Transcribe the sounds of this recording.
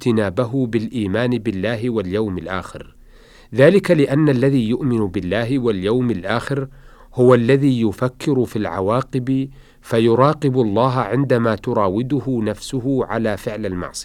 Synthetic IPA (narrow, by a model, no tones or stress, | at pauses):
t̪ɪnaːbaɦʊbɪlʔiːmaːnɪbɪlːaːɦɪwaljawmalʔa̰ːxɪ̰ɾ | ðaːlɪkalɪʔanːalːaðiːjʊʔmɪnʊbɪlːaːɦɪwaljawmalʔaːxɪɾ | hʊwalːaðiːjʊfakːɪɾʊfilʕa̰waːqɨb | fajʊɾˤɑːqɨɪblˤːɑːɦʕɪnd̪amaːt̪ʊɾˤɑːwɪd̪ʊhʊnafsʊɦʊʕa̰laːfɪʕlalmɑ̰ʕsˤɨ